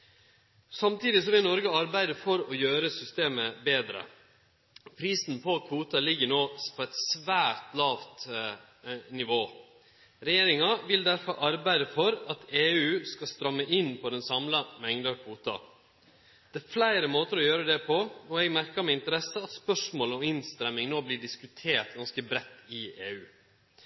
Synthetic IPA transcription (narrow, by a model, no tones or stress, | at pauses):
sɑmt̪iːd̪ɪsɔʋɪlnɔɾɡəɑɾbæɪd̪əfɔɾɔjøːɾəsʏst̪eːməbeːd̪ɾə̰ | pʰɾiːsn̩pʰɔkʰʋuːt̪ɑlɪɡːənoːpʰɔɛt̪sʋæːɾt̪lɑːʋt̪ | nɪʋoː | ɾɛjeːɾɪŋɑʋɪld̪æɾfɔɾʔɑɾbæɪd̪əfɔɾɑt̪eːʉːskɑst̪ɾɑmːəʔɪnːpʰɔd̪ɛnsɑmlɑmɛŋd̪ɑɾkʰʋuːt̪ɑ̰ | d̪̥æːflæɪɾəmoːt̪əɾɔjøːɾəd̪ɛpʰɔɔɛɡmæɾkɑɾmɪɪnt̪əɾɛsːəɑt̪spœʂmoːlɔmɪnst̪ɾɛmːɪŋnoːbliːɖɪskʉt̪ʰeːʈ̪ɡɑnskəbɾɛt̪ːɪʔeːʉː